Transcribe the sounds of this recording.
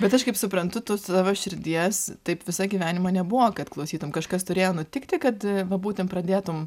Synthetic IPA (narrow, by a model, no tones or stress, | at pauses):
bʲɛt̪ɐʃkɐɪpsʊpɾɐnt̪ʊt̪oːst̪ɑːʋoːʃʲɪɾʲd̪ʲiɛst̪ɐɪpʋʲɪsɐɡʲiːʋʲæːnʲɪmɐnʲɛbʊʋokɐt̪klˠɐʊsʲiːt̪ʊmkɐʃkɐst̪ʊɾʲeːjoːnʊt̪ʲɪkt̪ʲɪkɐt̪ʋɐbuːt̪ʲɪnpɾɐd̪ʲeːt̪ʊm